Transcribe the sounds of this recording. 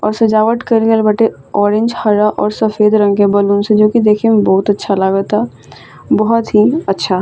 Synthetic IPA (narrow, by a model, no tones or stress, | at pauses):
ɔ̰ːɾsɐd͡ʒaːʋəʈ̪kəɾɡəlbʱɐʈe | ɔːɾẽɲd͡ʒhɐɾaʔɔːɾsɐfeːd̪ɾə̃ŋɡẽbɐlunsed͡ʒoːkid̪eːkʰẽmbɔɦʊt̪ɐtːʃʰalaːɡət̪a | bɔɦʊt̪ɦiɐtːʃʰa